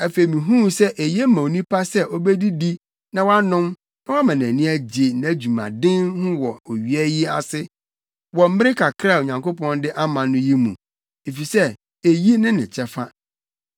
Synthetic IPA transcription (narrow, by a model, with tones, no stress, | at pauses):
æ˨fe˨mĩ˨ɦũ˦sɛ˦ʔe˨je˦mã˨o˨nĩ˦pʰa˦sɛ˦ʔɔ˦bɛ˦di˦di˦ | nã˨wa˦nʊ̃˦m | nã˦wa˦mã˨n˨æ̃˨nĩ˦æ˦d͡ʑe˨n˨d͡ʑu˨mã̰˨dɪ̃˦nhʊ̃˦wɔ˨o˨ɥi˨ɛ˦ji˦a̰˨sɪ˦ | wɔ˨m̩˦mɪ̃˦ɾɪ˦kʰa˨kʰɾa˦˨o˨ɲã˨ŋko˦pɔ̃˦ndɪ˦ʔa˦mã˨nʊ̃˦ji˦mṵ̃˨ | e˨fi˨sɛ˦ | e˨ji˦nɪ̃˦nɪ̰̃˨t͡ɕʰɛ˦fa˦